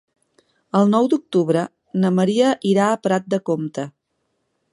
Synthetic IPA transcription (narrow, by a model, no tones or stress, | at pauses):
əlˠnɔwd̪uk̚t̪uβɾə | nəməɾiəʔiɾaːpɾat̪̚d̪əkomt̪ə